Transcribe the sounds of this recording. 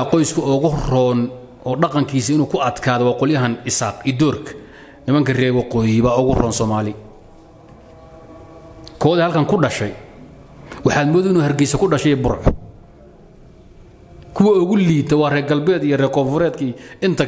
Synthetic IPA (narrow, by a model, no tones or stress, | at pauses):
qɔjskʰɐɔɣʊrɔːn | ɔːɖɑqɑŋkʰiːsiɪnuːkʰʊɐd̪kʰaːðɛwɑːqɔljɐɦɐnɪsaːqid̪ɔːrkʰɐ̥ | nɪmɐŋkʰɐrɛːwɑqɔːjɪβaːʊɣʊrɔːnsɔːmaːlɪ | kʰɔːðɛːhɐlkʰɐŋkʰʊɖɐʃɛj | wɑħɑːd̪mɔːðɛɪnuːhɐrɡɛjsɐkʰʊɖɐʃɛjɛːbʊɾʕ | kʰʊwɐʊɣʊliːt̪ʰɐwɑːrɛːɡɐlbɛːd̪ijɔrɛːkʰɔːɱfʊɾɛːd̪kʰiɪnt̪ʰɐ